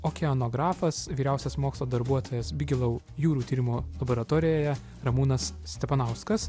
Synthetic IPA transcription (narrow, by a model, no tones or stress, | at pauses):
oːkʲɛɔnoːɡɾɑːfɐsʋʲiːɾʲæˑʊsʲɛsmoːkslˠoːd̪ɐɾbuɔt̪ʰoːjɛsbʲɪɡʲɪlˠɐʊ | juːɾuːt̪ʲiːɾʲɪmoːlˠɐboɾɐt̪oːɾʲɪjoːjɛ | ɾɐmuːnɐssʲt̪ʲɛpɐnɐʊskɐs